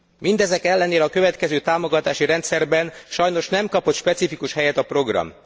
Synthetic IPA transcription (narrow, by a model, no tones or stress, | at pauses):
mind̪ɛzɛkɛlːɛneːɾɛɒkøvɛt̪kɛzøːt̪aːmo̞ɡɒt̪aːʃiɾɛnt̪sɛrbɛnʃɒjno̞ʃnɛmkɒpo̞t̪ʃpɛt̪sifikuʃhɛjɛt̪ɒpro̞ɡrɒ̰m